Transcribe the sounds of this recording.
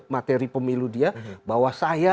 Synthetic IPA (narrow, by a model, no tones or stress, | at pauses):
mat̪eɾipəmiludiabawasaja